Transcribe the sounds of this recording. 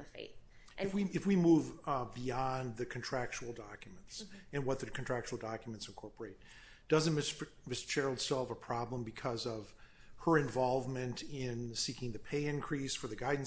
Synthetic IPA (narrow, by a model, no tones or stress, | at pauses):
fḛɪt̚ | ɨfwiɨfwimuvbiɑ̃nðɨkʰn̩tʰɹ̥æk̚t͡ʃul̩ˠdɑkjmə̃n̩tsɨ̃nwʌt̪̚ðɨkʰn̩tʰɹ̥æk̚t͡ʃul̩ˠdɑkjmɨ̃ntsnkʰɔɹpə˞eɪt̚ | d̥ʌzɨ̃nmɪs | mɪst͡ʃʰɛɹl̩ˠd̥sɑlˠvəpʰɹ̥ɑblə̃mbɨkʰʌzʌv̥ | ə˞ɨ̃ɱvɑlˠvmɨ̃ntɪ̃nsikɪ̃ŋðɨpʰeɪɪ̃nkʰɹ̥isfə˞ðɨɡaɪdⁿn̩